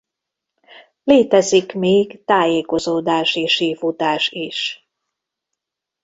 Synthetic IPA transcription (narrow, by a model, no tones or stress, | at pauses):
leːt̪ɛzikmeːɡt̪aːjeːko̞zoːd̪aːʃeːʃiːfut̪aːʃiʃ